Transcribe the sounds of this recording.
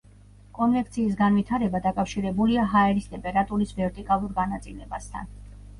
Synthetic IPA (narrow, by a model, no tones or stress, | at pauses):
kʼɔnvɛkʰt̪sʰiːs̬ɡanvit̪ʰaɾɛbad̪akʼafʃiɾɛbuliaɦaɛɾist̪ʼɛmpʼɛɾat̪ʼuɾisvɛɾt̪ʼikʼalˠuɾɡanat̪sʼilɛbast̪ʰa̰n